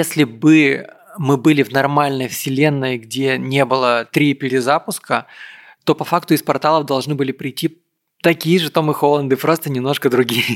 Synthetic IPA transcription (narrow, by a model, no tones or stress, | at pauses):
jesʲlʲɪbɨmɨbɨlʲɪvnɐrmalʲnəjfsʲɪlʲenːəjɡdʲenʲe̞bɨlˠət̪ɾʲipʲɪɾʲɪzapʊskə | t̪o̞pɐfakt̪ʊɪspɐrt̪alˠəvd̪ɐlˠʐnɨbɨlʲɪpɾʲɪjtʲːi | t̪ɐkʲijɪʐɨt̪omɨxolˠənd̪ɨpɾost̪ənʲɪmno̞ʂkəd̪ɾʊɡʲijə